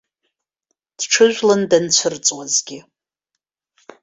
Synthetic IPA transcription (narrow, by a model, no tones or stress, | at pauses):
d̥ʈ͡ʂʰɨʒᶣʷlɨndant͡ɕʷʰɨrt͡sʼwazɡʲɪ